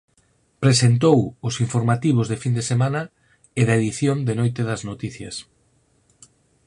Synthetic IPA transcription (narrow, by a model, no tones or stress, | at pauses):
pɾesent̪owʊsiɱfoɾmat̪iβ̞ʊzðefind̪esemanɐ | eðɐeðiθjond̪enojt̪eðɐznot̪iθjɐs